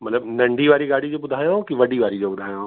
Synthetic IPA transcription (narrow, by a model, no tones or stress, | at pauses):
mɐt̪ləbnɐ̃ɳɖʱiʋaːɾiɡaːɽid͡ʑoːbʊd̪ʱaːjokiʋɐɖiʋaːɾid͡ʑoːbʊd̪ʱaːjo